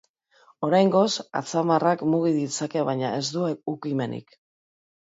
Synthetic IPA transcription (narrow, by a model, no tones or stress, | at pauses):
o̞ɾajŋɡo̞sa̰t͡samarakmuɣiðit͡sake̞βajɲae̞zd̪uukime̞nḭk